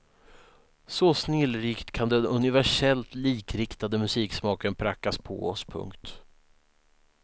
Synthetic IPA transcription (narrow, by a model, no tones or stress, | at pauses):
sɔsnɪlːɾiːkt̪kʰand̪ɛnɵnɪvæʂɛlt̪liːkɾɪkt̪ad̪əmɵsiːksmɑːkənpʰɾakːaspʰɔ̰ɔspʰɵ̰ŋkt̪